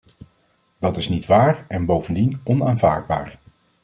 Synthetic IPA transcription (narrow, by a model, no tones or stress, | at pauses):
d̥ɑtɪsnitʋaːɹɛnbowvəndinɔnaːnva̰ːɹd̚ba̰ːɹ